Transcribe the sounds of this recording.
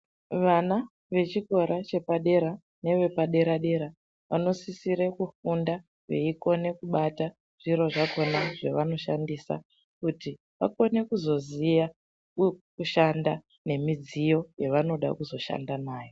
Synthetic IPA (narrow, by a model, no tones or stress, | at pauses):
ʋana | ʋe̞t͡ʃiko̞ɾat͡ʃe̞paɗe̞ɾa | ne̞ʋe̞paɗe̞ɾaɗe̞ɾa | ʋa̰no̞sisiɾekufunda | ʋe̞̰iko̞ne̞kuɓata | ʐ̥iɾo̞ʐako̞naʐeʋano̞ʃandisa̰ | kuti | ʋa̰ko̞ne̞kuzo̞zija | kuʃanda | ne̞mid͡zijo̞jeʋano̞ɗa̰kuzo̞ʃa̰ndanaːjo̞